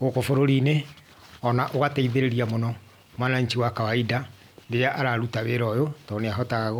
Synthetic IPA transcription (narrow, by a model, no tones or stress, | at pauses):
ɣokofoɾoɾine | ɔnaʔoɣataiðeɾeɾiamonɔ | mwanaɲt͡ʃiwakawaida | ndeɾaʔaɾaɾutaβeɾɔjotɔneaɦɔtaɣaɣɔ